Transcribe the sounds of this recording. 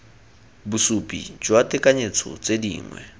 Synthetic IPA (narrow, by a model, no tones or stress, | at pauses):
busupʼḭd͡ʒwatʼɪkʼaɲet͡sʰɔ̰t͡sʼedḭːŋwɛ̰